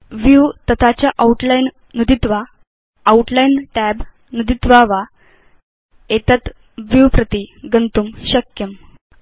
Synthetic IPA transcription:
ʋjut̪ət̪ʰat͡ɕjaʔauʈlajn | nud̪it̪ʋaː | uʈlajnʈæb | nud̪it̪ʋaʋa | et̪at̪ | ʋjupɾət̪iɡənt̪umɕəkjəm

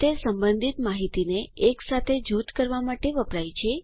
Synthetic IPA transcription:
t̪esəmbənd̪ʱit̪maɦit̪ineːksat̪ʰed͡ʒut̪kəɾʋamaʈeʋəpɾajt͡ʃʰe

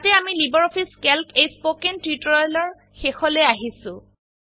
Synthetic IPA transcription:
atɛamilibɔɹɔpʰiskelkʰejspokentitɹɔjlɔɹ | xexɔlɛaɦisʊ̃

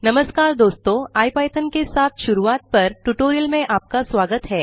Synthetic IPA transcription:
nɐməskaːɾd̪oːst̪oaːjpaːjt̪ʰənkesaːt̪ʰʃʊɾuaːt̪̚pɐɾʈuʈoːɾijəlmẽʔaːp̚kasʋaːɡət̪ɦɛː

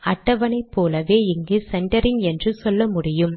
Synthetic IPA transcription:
ɐʈːɐʋɐnɐɪpːoːlɐʋeːɪŋɡɯsɛɳʈɐɾɪŋɛndrɯsɔlːɐmʊɽɪjɯm

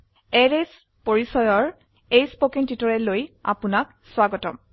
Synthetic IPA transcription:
ɛɹes | poɹisɔjɔɹ | ejspokintitɔɹɛloja̰pʊnak | swaɡɔtɔm

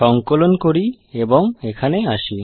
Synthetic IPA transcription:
ɔŋkolonkoɾi | ebɔŋekʰaneaʃi

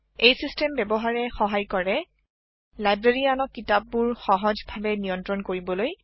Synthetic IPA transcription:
ejsistɛmbɛbɔɦaɹɛxɔɦajkɔɹɛ | lajbɹeɹianɔkːitap̚ːuɹxɔɦɔd͡ʒbʱabɛnijɔntɹɔnkoɹibɔloj

